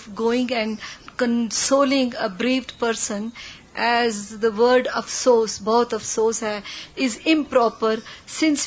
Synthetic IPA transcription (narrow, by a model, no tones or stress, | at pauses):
ɡoːɪ̃ŋɡɛ̃ɳɖkə̃nsoːlɪ̃ŋɡəbɾiːʋɖpəɾsə̃n | ʔɛzd̪əʋəɾɖɔʋsoːsbɔːt̪ɔʋsoːshɛɪzɪ̃mpɾɔːpəɾsɪ̃ns